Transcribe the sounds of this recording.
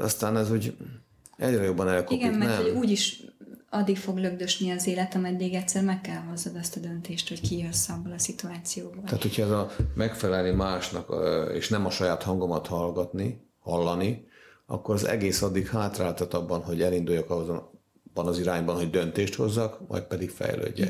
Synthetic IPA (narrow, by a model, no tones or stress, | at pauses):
ɒ̰st̪aːnɛzuːɟ | ɛɟrɛjo̞bːɒnɛlkiɡɛmːɛnɛhouːɟiʃɒd̪ːikfo̞ɡløɡd̪øʃniɒzeːlɛt̪ɒmɛd̪ːiɡɛctsɛrmɛkːɛlɦo̞zːɒd̪ɒst̪ɒd̪ønt̪eːʃt̪ho̞ckiosːɒbːɒlɒsit̪uaːt̪sijoːbɒa̰ːt̪hocʰhɒɛzɒmɛkfɛlɛlnimaːʃnɒkḛːʃnɛmɒʃɒjaːt̪hɒŋɡomɒt̪hɒlɡɒt̪ni | hɒlːɒniɒ̰kːo̞ɾɒzɛ̰ɡeːsɒd̪ːikhaːt̪raːlt̪ɒt̪ɒbːɒnɦo̞ɟɛlind̪ujɒkɒoz | b̥ːɒnɒziɾaːɲbɒnɦo̞ɟ̚d̪ønt̪eːʃt̪ho̞zːɒkmʔɒ̰j̚pɛd̪ikfɛ̰jlø̰ːɟːɛ̰